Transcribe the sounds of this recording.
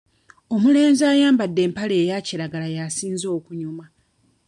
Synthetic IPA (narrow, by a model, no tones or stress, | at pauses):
o̞mule̞ːnzaːjaːmbadːe̞ːmpale̞ːjaciɾaɡalajasiːnzo̞ːkuɲuma